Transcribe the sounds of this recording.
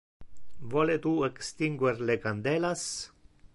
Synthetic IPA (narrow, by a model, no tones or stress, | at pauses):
volet̪uekst̪iŋɡweɾlekand̪elas